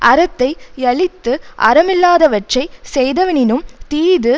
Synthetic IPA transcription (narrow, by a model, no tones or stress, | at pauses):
ʔɐɾɐt̪ːɐɪɛɭɪt̪ːɯʔɐ̰ɾɐmɪlːaːðɐʋɐʈrɐɪsɛjðɐʋɐnɪnɯmt̪iːðɯ